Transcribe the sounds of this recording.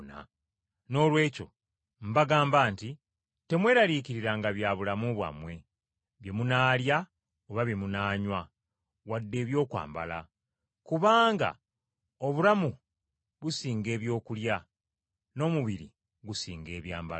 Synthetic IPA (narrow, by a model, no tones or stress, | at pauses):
na̰ | no̞ːlwe̞ːco̞̰ | m̩baɡaːmbaːnti | te̞mwe̞ːɾaɾiciɾiɾaːŋɡaβjaβulamuβwa̰mwe̞ | βje̞munaːlja | oβaβjemunaːɲwa | wadːe̞ːβjo̞ːkwa̰ːmba̰la̰ | kuβaːŋɡa̰ | o̞βulamu | βusiːŋɡe̞ːβjo̞ːkulja | no̞ːmuβiɾḭ | ɡusiːŋɡe̞ːβjaːmba